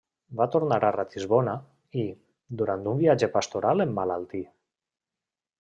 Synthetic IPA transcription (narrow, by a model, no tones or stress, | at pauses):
bat̪oɾnaɾarat̪izβona | i | d̪uɾant̪umbiad͡ʒepast̪oɾalemːalalˠt̪i